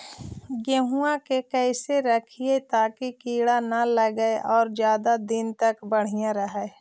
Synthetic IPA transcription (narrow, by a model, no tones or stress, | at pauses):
ɡeɦuãkekɛːseɾəkʰiet̪aːkikiːɽanaləɡəeʔɔːɾd͡ʒjaːd̪ad̪ɪnt̪ɐkbəɽ̤ijãɾəɦɛe